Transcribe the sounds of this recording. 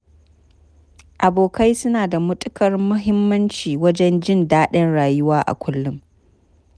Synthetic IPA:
ʔa˨boː˨ka˦jsʊ˦naː˨da˨mʊ˦tʼʊ˦kɐ˨rmʊ˦ɦɪ˦mːɐ˦nt͡ʃiː˨wɐ˦d͡ʒɛ˦nd͡ʒɪ˦˨ndaː˦ɗɐ˦nɽaː˨jʊ˦waː˦ʔa̰˨kʷʊ˦lːʊ˦m

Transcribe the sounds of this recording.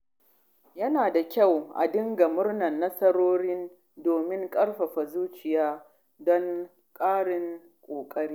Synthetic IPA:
jɐ˦naː˨da˨kʲa˦˨wʔa̰˨dɪ˦ŋɡa˨mʊ˦rnɐ˨nːɐ˦sɐ˦ɽoː˦ɾɪ˦n | doː˨mɪ˦ŋkʼɐ˦ɽɸa˨ɸɐ˨zuː˦t͡ʃɪ˨jaː˦ | dɔ˦ŋ | kʼaː˦ɽɪ˨ŋ | kʷʼoː˨kʼɐ˦ɾiː˦

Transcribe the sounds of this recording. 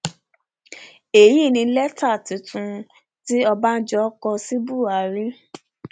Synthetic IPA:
e˨ji˦˨nĩ˧˦lɛ˦ta˦˨ti˨˦tũ˧ | ti˦ɔ˧ba˦n̩˦d͡ʒɔ˦kɔ˧si˦bu˦˨a˨˦ɾi˦

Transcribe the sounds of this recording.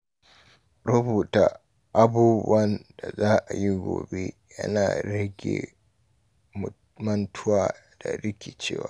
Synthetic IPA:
ɾʊ˦buː˨taː˦ | ʔa˦buː˦bɐ˦nda˨zaː˦ʔa˨ji˦ɡʷo̰ː˨be˦ | jɐ̰˦naː˨ɽɐ˦ɡʲḛ˨ | mɐ˦ntʰʊ˦waː˨ | d̥a̰˨ɾɪ˦kʲe˨t͡ʃḛː˦waː˨˦

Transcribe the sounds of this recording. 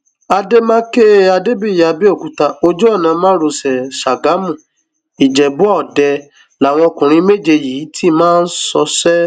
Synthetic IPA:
a˧de˦mã˦ke˦a˧de˦bi˦˨ja˨bi˦o˦˨ku˨˦ta˧o˧d͡ʒo˦ɔ˦˨nã˨˧mãː˦ɾo˧˨sɛ˨ʃa˨ɡa˨˦mũ˦˨ | i˨d͡ʒɛ˨bu˦ɔ˦˨dɛ˧ | la˨˦˨w̃ɔ̃˧kũ˨ɾ̃ĩ˧˦me˦˨d͡ʒe˧jiː˨˦ti˦˨mãː˦˧n̩˦sɔ˧sɛ˦

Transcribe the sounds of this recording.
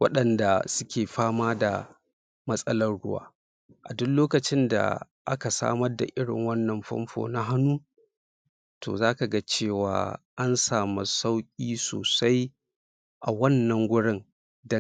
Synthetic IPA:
wɐ̰˦ɗɐ˨nda˨sʊ˦kʲeː˨ɸaː˦maː˦da̰˨ | mɐ˦sʼɐ˦lɐ˦rɽʊ̰˦wa̰ː˦ | ʔa̰˨dʊ˦nloː˦kɐ˨t͡ʃɪ˦nda̰˨ | ʔa̰˦ka˨sa̰ː˦mɐ˦rda̰˨ʔɪ˦ɽɪ̰˨ŋwɐ˦nːɐ˨mɸɐ̰˦mɸo̰ː˨na˦ɦa˦nuː˦ | tʰo̰ː˨zaː˦ka˨ɡa˦t͡ʃeː˦˨wa̰ː˦ʔa˦nsaː˨ma˨sa˦wkʲʼiː˦soː˨sa˦j | ʔa˨wɐ˦nːɐ˨ŋɡʷʊ˦ɽɪ˦ŋ | dɐ˦

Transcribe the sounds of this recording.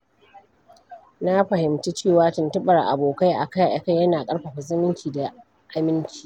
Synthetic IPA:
na˦ɸɐ˨ɦɪ˨mti˦t͡ʃeː˦˨waː˦tʊ˨ntʊ˦ɓɐ˨rʔa̰˨boː˨ka˦jʔa̰˨ka˦jʔa̰˨ka˦jjɐ˦naː˨kʼɐ˦ɽɸa˨ɸɐ˨zɪ˦mɪ˦ŋkʲiː˨da˨ | ʔa˦mɪ˦nt͡ʃʲi̥ː˨

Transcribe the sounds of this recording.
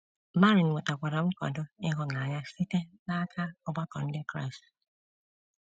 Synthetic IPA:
ma˦ɾi˨n̩˨wʊ˨ta˨kʷa˨ɾa˨m̩˦kɔ̰˨dʊ˦ɪ˦ɦʊ˦na˨ɲa˦si˦te˦na˦kʰa˦ɔ˦ɡ͡ba˦kɔ˨n̩˦dɪ˦kɾa̰˦˨s

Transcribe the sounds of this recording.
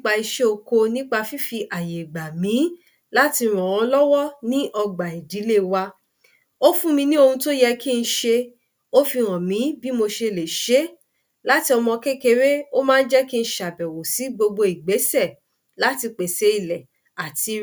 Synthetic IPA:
k͡pa˧i˧ʃe˦o˧ko˧nĩ˦k͡pa˧fi˦fi˧ʔa˨je˨ɡ͡ba˨mĩ˨˦ | la˦ti˧ɾ̃ɔ̃˨w̃ɔ̃˧lɔ˦wɔ˦nĩ˦ʔɔ˧ɡ͡ba˨i˨di˨˦le˦˨wa˧ | o˦fũ˦mĩ˧nĩ˦o˧hũ˧to˦jɛ˧ki˦˧n̩˧˦ʃe˧ | o˦fi˧ɾ̃ɔ̃˨mĩ˨˦bi˦mo˧ʃe˧˨le˨ʃe˨˦ | la˦ti˧ɔ˧mɔ̃˧ke˦ke˧ɾe˦o˦mãː˦˧n̩˦d͡ʒɛ˦ki˦˧n̩˧˦ʃa˨bɛ˨wo˨si˨˦ɡ͡bo˧ɡ͡bo˧i˨ɡ͡be˨˦sɛ˦˨ | la˦ti˧k͡pe˨se˨˦i˦˨lɛ˨ | a˨ti˧˦

